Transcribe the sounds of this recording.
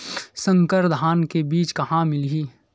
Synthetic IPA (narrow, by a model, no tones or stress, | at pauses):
sə̃ŋkəɾd̪ʱaːnkebiːt͡ʃkɐɦãmɪlɦiː